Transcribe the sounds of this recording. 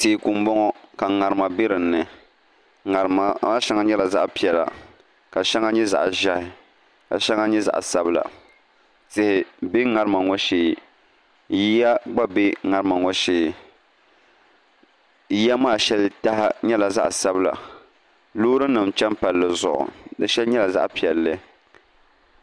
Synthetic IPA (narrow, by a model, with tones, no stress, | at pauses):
teː˨ku˨m̩˦bɔ˦ŋɔ˦ka˨ŋa˨ɾɨ˨ma˨bɪ˦ɾɨ˨nːɨ˨ | a˨a˦ʃɛ˦ŋa˦ɲɛ˦la˨za̰˦ʔpi˦ɛ˨la̰˨ | ka˨ʃɛ˦ŋa˦ɲɛ˦za̰˨ʔʒa˦hɪ˨ | ka̰˨ʃɛ˦ŋa˦ɲɛ˦za̰˨ʔsa˦bɨ˦la̰˨ | tɪ˦hɪ˨be˦ŋa˨ɾɨ˦ma˨ŋɔ˦ʃeː˦˨ | ji˦ja˦ɡ͡ba˦be˦ŋa˦ɾɨ˦ma˨ŋɔ˦ʃeː˦˨ | ji˦ja˦maː˦˨ʃɛ˦lta˦ha˦ɲɛ˦la˨za̰˦ʔsa˦bɨ˦la̰˨ | lʊː˦ɾɨ˦nɨ˨mt͡ʃɛ˦mpa˨lːɨ˨zʊ̰˨ʔʊ̰˨dɨ˦ʃɛ˦lɲɛ˦la˨za̰˦ʔpi˨ɛ˨lːɨ˦